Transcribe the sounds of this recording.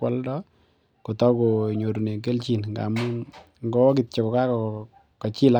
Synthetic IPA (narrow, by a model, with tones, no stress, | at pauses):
wɔ˦ldɔ˦ | ko˨tɔ˦ko˨ɲo˨ɾu˨ne˨k̬e˦lt͡ʃi˨nŋɡa̰˨mu˦ | ŋɡɔ˦k̬i˨t̚t͡ʃɔ˨kɔ˨ka˦kɔ˨ | ka˨t͡ʃɪ˦la˦